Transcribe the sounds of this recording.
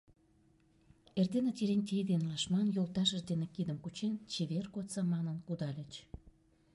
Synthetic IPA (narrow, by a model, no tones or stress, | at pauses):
erd̪enet̪ʲeɾenʲt̪ʲejd̪enlɑʃmɑnjolt̪ɑʃəʒd̪enekid̪ə̆mkut͡ɕent͡ɕeβerkot̪t͡sɑmɑnənkud̪ɑlʲət͡ɕ